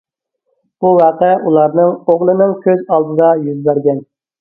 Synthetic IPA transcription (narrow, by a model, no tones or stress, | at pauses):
b̥uwɑqɛʔulˠɑɾnɨŋoʁlˠɨnɨŋkʲʰøzɑlˠd̪ɨd̪ɑjyzbæɾɡʲɛn